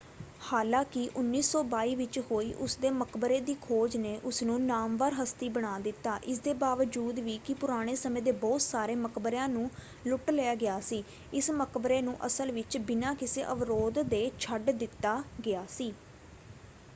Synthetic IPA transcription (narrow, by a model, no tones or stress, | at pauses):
haːlãːkɪʔʊnːiːsɔːbaːiːʋɪt͡ʃhoːiːʔʊsd̪eːməkbəɾeːd̪iːkʰoːd͡ʒneːʔʊsnũːnaːmʋaːɾɦəst̪iːbəɽ̃aːd̪ɪt̪ːaːʔɪsd̪eːbaːʋəd͡ʒuːd̪ʋiːkɪpʊɾaːɽ̃eːsəmẽːd̪eːbɔːt̪saːɾeːməkbəɾjãːnũː | lʊʈleaːɡɪjaːsiː | ɪsməkbəɾeːnũːʔəsəlʋɪt͡ʃbɪnãːkɪsḛːʔəʋɾoːd̪d̪eːt͡ʃʰəɖd̪ɪt̪ːaːɡɪaːsiː